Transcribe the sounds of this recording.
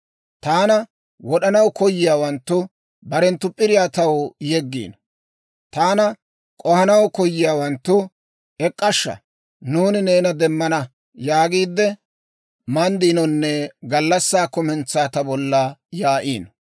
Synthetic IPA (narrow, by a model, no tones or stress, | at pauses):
t̪aːnɐ | wɔɗɐnɐwkɔjːɪjaːwɐnt̪ːʊ | bɐɾɛnt̪ːʊpʼːɪɾɪjaːt̪ɐwjɛɡːḭːn | t̪aːnɐ | kʼɔhɐnɐwkɔjːɪjaːwɐnt̪ːʊ | ɛkʼːɐʃːɐ̰ | nuːnɪneːnɐd̪ɛmːɐnɐ | jaːɡiːd̪ːɛ | mɐnd̪iːnɔnːɛɡɐlːɐsːaːkʊmɛnt͡sːaːt̪ɐbɔlːɐjaːʔiːn